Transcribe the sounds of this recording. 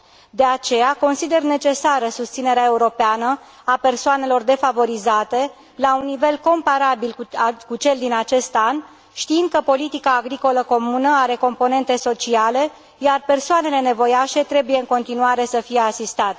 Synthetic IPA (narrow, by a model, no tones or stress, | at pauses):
d̪e̞at͡ʃe̞jako̞nsid̪e̞rne̞t͡ʃe̞saɾəsust̪sine̞ɾeae̞uɾo̞peanə | ape̞rsoane̞lo̞rd̪e̞favo̞ɾizat̪e̞ | launːive̞lko̞mpaɾabilkukut͡ʃe̞ld̪inat͡ʃe̞st̪an | ʃt̪iind̪̚kəpo̞lit̪ikaːɡɾiko̞ləko̞munəaɾe̞ko̞mpo̞ne̞nt̪e̞so̞t͡ʃiale̞ | jarpe̞rsoane̞le̞ne̞vo̞jaʃe̞t̪ɾe̞buje̞ɨŋko̞nt̪inuaɾe̞səfije̞asist̪at̪